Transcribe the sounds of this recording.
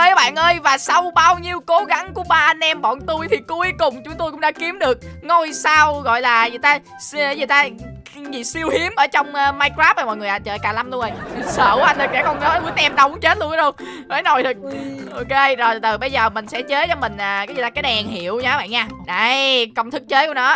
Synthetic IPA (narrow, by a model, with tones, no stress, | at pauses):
ʔəː˧jʔaː˨˦˩ɓa̰ː˧˨nʔəː˧jvaː˨˩sa˧wɓaː˧wɲi˧əwko˨˦ɣa˨˦ŋku˧˩˦əɓaː˧ʔa˧nʔɛ˧mɓɔ̰˧˨nt̪u˧jt̪ʰi˨˩ku˧jkʊ˨˩ŋ͡mt͡ɕʊ˨˦ŋ͡mt̪o˧jkʊ̰˧˥ŋ͡mɗaː˧˥ki˨˦əmɗɨ˨˩ək̚ŋo˧jsaː˧wɣɔ̰˧˨jlaː˨˩zɨ˧˨˩t̪aː˧˦ | zi˨˩t̪aː˧ | zi˨˩si˧əwhi˨˦əmʔəː˧˩˦t͡ɕɔ˧wŋ͡mʔəː˧maː˧jkaː˦˥p̚aː˨˩mɔ̰˧˨jŋɨ˨˩əʔaː˨˩t͡ɕəː˨˩jkaː˧˩la˧mlu˧ŋʔə˧jsəː˧˩wʔa˧jn̟lɨ˨˩ɗɛ̰˧˥kɔ˨˩nəː˨˦u˧˦t̪ɛ˧mɗə˨˦wŋ͡mt͡ɕe˦˥t̚lu˧ən˧ɗə˧ŋ͡m | mə˨˦jno˨˩jt̪ʰɨ˨˩k̚ʔo˧ke˧zo˨˩jt̪ɨ˨˩ɓə˧jzəː˨˩mï˨˩ŋ̟sɛ̰˧˥t͡ɕe˨˦˥t͡ɕɔ˨˧˦mï˨˩ŋ̟ʔaː˨˩kaː˨˦zt̪aː˧kːa˨˦jɗɛ˨˩nɦḭ˧˩˨əwɲaː˨˦ɓa̰ː˧˨ɲaː˧ɗa˧˩jkə˧wŋ͡mt̪ʰɨ˦˥k̚t͡ɕe˨˦˥jku˧˩ə˦nɔ˨˦